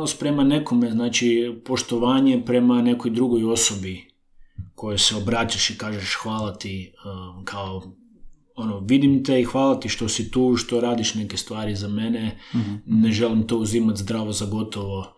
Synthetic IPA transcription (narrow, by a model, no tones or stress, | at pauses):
lospɾe̞mane̞komeznaːt͡ʃipo̞ʃt̪oʋaːɲepɾe̞mane̞kojd̪ɾuɡo̞jo̞sobi | ko̞jojseobɾaːt͡ʃaʃikaːʒeʃxʋaːlat̪ikʰao | onoʋid̪imt̪e̞ixʋaːlˠat̪iʃt̪o̞sit̪uːʃt̪o̞ɾaːd̪iʃnekest̪ʋaːɾizame̞nene̞ʒe̞limt̪o̞uzimat̪zd̪ɾaːʋozaɡo̞t̪o̞ʋo̞